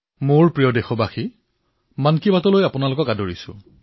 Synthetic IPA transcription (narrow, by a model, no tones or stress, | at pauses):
moɹpɹijɔdexɔbaxi | mankibatɔlojapʊnalʊkɔkadoɹisʊ̰̃